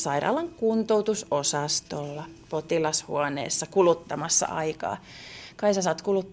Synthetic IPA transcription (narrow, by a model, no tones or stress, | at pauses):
sɑirɑ̰ːlɑŋkunt̪owt̪usosɑst̪olːɑpot̪ilɑshṵɑnḛːsːɑkulut̪ːɑmɑsːɑ̰ʔɑikɑ̰ːkɑisɑsɑːt̪kulut̪ː